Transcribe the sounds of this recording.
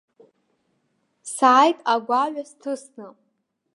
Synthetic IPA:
saːjtʼaɡʷaɥʷᶣastʰɨsnɨ

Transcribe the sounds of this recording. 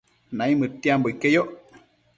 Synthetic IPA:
naimətiamboikejoʔ

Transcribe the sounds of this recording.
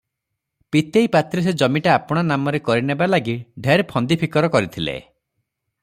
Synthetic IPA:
pit̪ejpat̪ɾis̬ed͡ʒɔmiʈaapɔɽ̃anamɔɾekɔɾinebalaɡiɖʱeɾpʰɔnd̪ipʰikɔɾɔkɔɾit̪ʰilḛ

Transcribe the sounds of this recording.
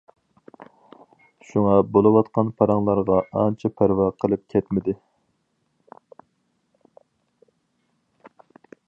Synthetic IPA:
ʃuŋɑbolˠɨwɑt̪qʰɑnpʰɑɾɑŋlˠɑɾʁɑɑnt͡ʃʰɛpʰæɾwɑqʰəlˠɨp̚kʲʰɛt̪mɪd̪ɪ

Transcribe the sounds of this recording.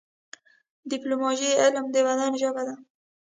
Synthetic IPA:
d̪iplomɑʒiɪlmd̪əwad̪ɑnʒəbad̪a

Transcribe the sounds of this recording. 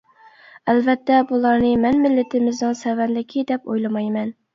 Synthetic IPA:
ælvɛt̪ʰːɛbulˠɑɾnɨmɛnmɪlːɪt̪ʰɪmɪznɨŋsɛvɛnlɪkʲʰid̪ɛpojlˠɨmɑjmɛn

